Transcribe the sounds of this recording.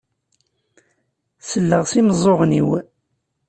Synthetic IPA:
səlːəʁsiməzˤoʁniw

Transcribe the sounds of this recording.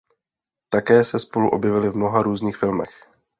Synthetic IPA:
t̪akɛːsɛspo̞luʔo̞bjɛvɪlɪvmno̞ɦaɾuːzɲiːxfɪlmɛx

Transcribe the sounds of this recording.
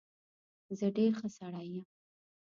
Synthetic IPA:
zəɖeɾxəsaɽajəm

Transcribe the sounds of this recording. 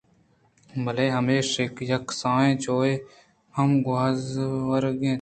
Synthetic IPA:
bʱəleːɦəmeːʃeːkjəksãːẽːt͡ʃoːeː | həmɡʊazʋəɾɡẽː

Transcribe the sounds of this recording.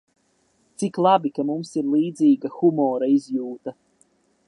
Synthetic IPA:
t̪siklˠabikamumsiɾlˠiːd̪ziːɡaxumɔːɾaizjuːt̪a

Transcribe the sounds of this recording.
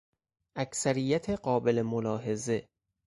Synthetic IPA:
ʔæcʰsæɾijːæt̪ʰe̞ɢɒːbe̞lemolɒːɦe̞ze̞

